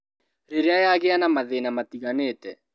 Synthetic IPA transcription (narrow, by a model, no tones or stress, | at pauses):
ɾiɾeajaɣeanamaðenamat̪iɣaneːtɛ